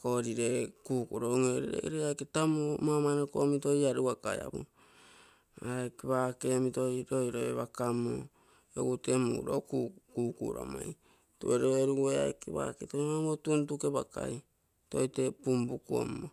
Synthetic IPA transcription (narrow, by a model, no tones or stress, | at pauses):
koɾiɾekuːkuɾoŋojɾiɾḛɾeajketamomamanokomitoiaɾuakaja̰βu | aɾajkeβakemitojɾojɾoeβakamo̰ | oɡutemṵɾokukukṵɾa̰maj | tueɾoeɾueajkeβa̰ketomamotuntukeβaka̰j | tojtepumbukuo̰mo